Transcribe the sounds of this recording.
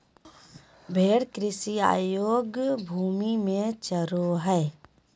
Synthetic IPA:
bʱeːɽkɾɪsia̰ːjoːɡbʱuːmimẽt͡ʃəɾoɦɛː

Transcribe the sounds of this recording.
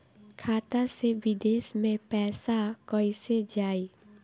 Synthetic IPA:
kʰaːt̪aseʋɪd̪eːʃmẽpɛːsakɔised͡ʒaːi

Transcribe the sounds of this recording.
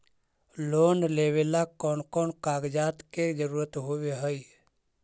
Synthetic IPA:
loːnleːwelakɔːnkɔːnkaːɡd͡ʒaːt̪ked͡ʒəɾuːɾət̪ɦoweɦəj

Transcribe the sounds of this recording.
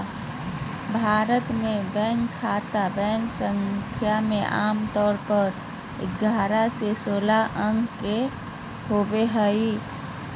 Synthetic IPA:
bʱaːɾət̪mẽbɛ̃ŋkʰːat̪abɛ̃ŋksəŋkʰjameʔa̰ːmt̪ɔːɾpəɾ | ɪ̰ɡʱaːɾasesoːlaʔə̃ŋɡʱke | hobeɦəi

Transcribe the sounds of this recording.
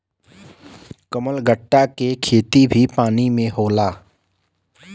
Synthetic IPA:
kəməlɡəʈːakekʰeːt̪ibʱipaːnimẽɦoːlaː

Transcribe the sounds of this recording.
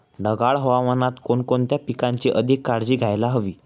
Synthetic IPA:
ɖəɡaɭɦoʋamənat̪konkont̪japikãɲt͡ɕiʔəd̪ʱikːaɽd͡ʑiːɡʱajlaɦəʋiː

